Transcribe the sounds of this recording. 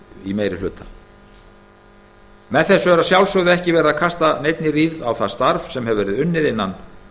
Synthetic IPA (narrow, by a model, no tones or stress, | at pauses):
imeːjɾɪlʏːt̪ḁ | mɛðθɛsːʏɛɾasjawlsœɣðʏɛhcɪvɛːɾɪðakʰast̪anejt̪̚nɪriːðawθast̪aɾv̥sɛmɦɛvɛːɾɪðʏnːɪðɪnːan